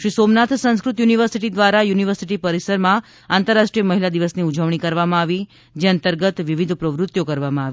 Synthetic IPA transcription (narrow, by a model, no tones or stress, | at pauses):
ʃɾisomnat̪ʰsə̃ñskɾut̪juniʋəɾsiʈid̪ʋaɾajuniʋəɾsiʈipəɾisəɾmã | ant̪əɾːaʃʈɾijəməɦilad̪iʋəsniud͡ʒəʋɳ̃ikəɾʋamãaʋi | d͡ʒeənt̪əɾɡət̪ʋiʋid̪ʱpɾəʋɾʊt̪jokəɾʋamãaʋi